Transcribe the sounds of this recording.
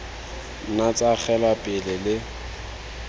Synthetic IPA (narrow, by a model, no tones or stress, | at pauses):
nat͡sʼak͡xɛlapʼɪlɪlɪ